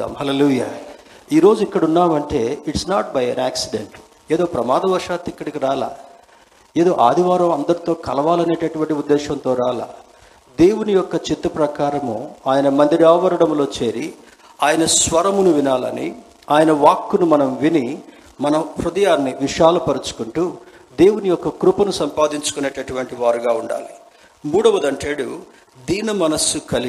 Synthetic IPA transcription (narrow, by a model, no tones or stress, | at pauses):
amhɐleːluːjaː | iːɾo̞ːd͡ʒuikːɐɽunːaːmɐɳʈe̞ːiʈsnaːʈ̚bɐjɛnaːksiɖḛɳʈ | eːd̪o̞ːpɾɐmaːd̪ɐʋɐɾʂaːt̪ːikːɐɽikiɾaːla̰ː | eːd̪o̞ːʔaːd̪ʱiʋaːɾɐmɐnd̪ɐɾit̪o̞ːkɐlɐʋaːlɐne̞ːʈeʈuʋɐɳʈiud̪ːɛːʃɐnt̪o̞ːɾaːla̰ː | d̪e̞ːwunijɔkːɐt͡ʃit̪ːɐpɾɐkaːɾɐmoːaːjɐnɐmɐnd̪ɾiaːɐʋɐɾɐɽɐmlo̞ːt͡ʃe̞ːɾi | aːjɐnɐsʋɐɾɐmunuʋinaːlɐ̰nḭ | aːjɐnɐʋaːkːunumɐnɐmʋini | mɐnɐmpɾud̪ɐjaːnːiʋiʃaːlɐpɐɾut͡ʃu̥kuɳʈuː | d̪e̞ːwunijɔkːɐkɾupɐnusɐmpaːd̪iɲt͡ʃu̥kune̞ːʈɐʈuʋɐɳʈiʋaːɾuɡaːuɳɖa̰ːli | muːɽɐʋɐd̪ɐɳʈeːɽu | d̪iːnɐmɐnɐsːukɐli